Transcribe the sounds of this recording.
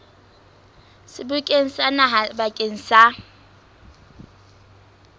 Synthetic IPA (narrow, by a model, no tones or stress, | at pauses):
sɪbʊkʼen̩sanaɦabakʼen̩sa